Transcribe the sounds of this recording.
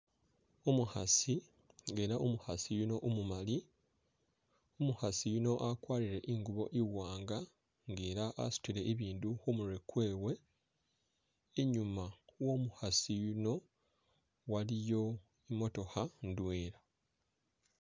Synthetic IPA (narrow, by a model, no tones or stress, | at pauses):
omuhasi | e̞ɾaʔomuhasijuno̞ʔumumali | omuhasijuno̞ʔakwaːliɾe̞ʔiŋɡuβo̞ʔiwaːŋɡa | ŋɡeːɾaʔa̰su̥tiɾe̞ʔiβiːnduxumuɾe̞kwe̞ːwe̞ | ɲumawo̞ːmuhasijuno̞ | walijo̞ | imo̞to̞handwe̞ːɾa